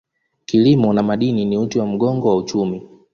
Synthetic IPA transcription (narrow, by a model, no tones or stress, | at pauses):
kilimɔnamaɗininiutiwam̩ɡɔŋɡɔwaut͡ʃumi